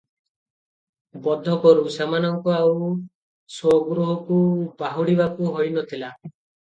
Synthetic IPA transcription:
bɔd̪ʱɔkɔɾusamanɔŋkuaw | sɔɡɾuɦɔkubaɦuɽibakuɦojnɔt̪ʰila

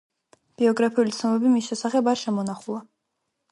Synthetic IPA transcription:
b̥iɔɡɾapʰiulit̪sʰnɔmɛbimisʃɛsaχɛbaɾʃɛmɔnaχulˠa

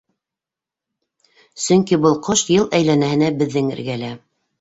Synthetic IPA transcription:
sɵ̆ŋkibɤlˠqʰoʃjɤlˠæjlænæhɘ̆næbɘ̆ðːɘŋɘ̰̆ɾɡælæ

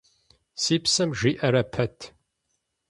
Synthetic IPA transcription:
siːpsɐmʒʷiːʔɐɾɐpʰɐtʰ

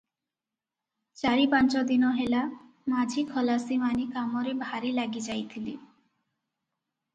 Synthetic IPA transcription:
t͡ɕaɾipant͡ʃɔd̪inɔɦela | mad͡ʑʱikʰɔlasimanikamɔɾebʱaɾilaɡid͡ʑajt̪ʰilḭ

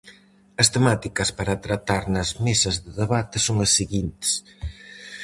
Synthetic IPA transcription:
ɐst̪emat̪ikɐspɐɾɐt̪ɾɐt̪aɾnɐzmesɐzðɪðeβat̪ɪsoŋɐsːiɣint̪ɪ̥s

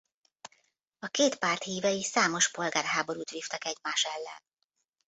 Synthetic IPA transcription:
ɒkeːt̪paːrt̪hiːvɛjisaːmo̞ʃpo̞lɡaːrɦaːbo̞ɾuːt̪ʋiːft̪ɒkɛɟmaːʃɛlːɛ̰n

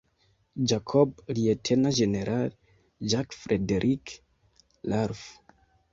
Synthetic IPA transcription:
d͡ʒakʰoblietʰenaʒeneɾʔal | d͡ʒakfɾedeɾʔik | laɾf

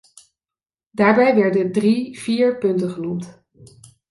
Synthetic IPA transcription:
daːɹbɛjʋɛɹdəndriv̥iːɹpɵntənχənumt

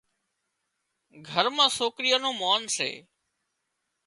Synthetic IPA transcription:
ɡʱəɾmãːsoːkɾɪjaːnõːmoːnsḛː

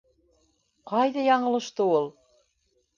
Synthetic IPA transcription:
qɑjðɑjɑɴɤ̆lˠɤ̆ʃt̪ɤulˠ

